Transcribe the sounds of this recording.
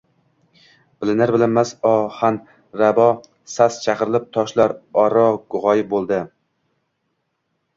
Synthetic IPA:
b̥ɪlɪnɪɾbɪlanmasɒhan | ɾabɒ | sast͡ʃʰaqɨɾɪlˠɪp̚t̪ʰɒʃlaɾɒɾɒɡʊʁɒjɪbolˠd̪ɪ

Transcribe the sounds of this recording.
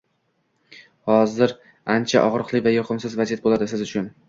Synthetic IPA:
hɒzɪɾ | ant͡ʃʰa̰ʔɒʁɾɨqlˠɪvajɒqʰɨmsɪzvazijat̪̚bolad̪ɪsɪzʊt͡ʃʰʊn

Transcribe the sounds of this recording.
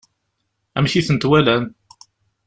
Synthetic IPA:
æ̰mʃiθənt̪wælæn

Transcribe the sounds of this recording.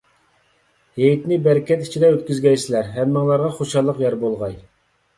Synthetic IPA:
hejt̪nɪbɛɾkʲɛt̪i̥t͡ʃʰid̪ɛøt̪kʲyzɡʲɛjsɪlæɾɦɛmːɨŋlˠɑɾʁɑχoʃɑlˠːəqjɑɾbolˠʁɑj

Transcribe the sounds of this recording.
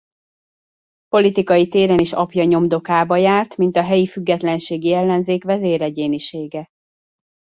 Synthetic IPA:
po̞lit̪ikɒjit̪eːɾɛniʃɒ̰pjɒɲo̞md̪o̞kaːbɒjaːrt̪mint̪ɒɦɛjifyɡːɛt̪lɛnʃeːɡiɛlːɛnzeːkʋɛzeːɾɛɟeːniʃeːɡɛ

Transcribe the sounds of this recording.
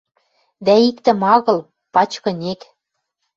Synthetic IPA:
d̪æikt̪ɘ̆mɑɣɤ̆l | pɑt͡ɕkɤ̆nek

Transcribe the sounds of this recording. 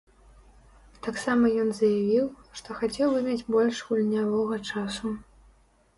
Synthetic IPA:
t̪aksamɐjɔnzɐjavʲiwʂt̪ɔxat͡sʲɛwbɨmʲad͡zʲbɔlʲʂɣulʲnʲavɔɣɐt͡ʂasu

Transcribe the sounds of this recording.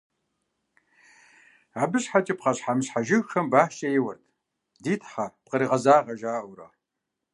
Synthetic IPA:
abɨɕħatʼipqɐɕħamɕħaʒɪɣxɐmbaːħʃʼɐjɪwɐrtʰ | diːtʰħap̚qəɾiːʁɐzaːʁɐʒaːwɾɐ̰

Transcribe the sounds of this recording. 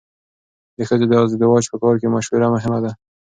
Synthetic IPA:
d̪əxəd̪əd̪ɑzd̪əd̪ɪwɑt͡ʃpəkɑɾkemaʃwəɾamʊɦɪmad̪a

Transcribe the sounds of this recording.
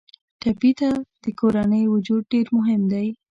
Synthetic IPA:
ʈapit̪ad̪̥əkoɾanəjwʊd͡ʒud̪̚ɖeɾmʊɦɪmd̪aj

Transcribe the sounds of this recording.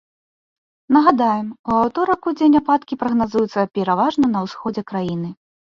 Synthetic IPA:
nɐɣad̪ajɛmuawt̪ɔɾɐkud͡zʲenʲapat̪kʲipɾɐɣnazujut̪sːɐpʲɛɾavaʐnɐn̪ɐwsxɔd͡zʲɛkɾajin̪ɨ

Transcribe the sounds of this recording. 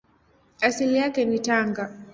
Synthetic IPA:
asilijakɛnitaŋɡa

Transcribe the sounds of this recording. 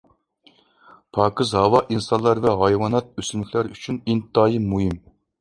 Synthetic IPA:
pʰɑːkɨzɦɑwɑʔinsɑnlˠɑɾvɛɦɑjwɑnɛt̪̚øsynɪkʲʰlæɾyt͡ʃʰynint̪ːɑːjimuɦim

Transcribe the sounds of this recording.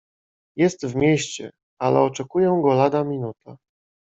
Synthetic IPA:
jɛst̪vmʲjɛɕt͡ɕɛ̰ | alɛ̰ɔt͡ʂɛkujɛ̃ɡɔlad̪amʲinut̪a

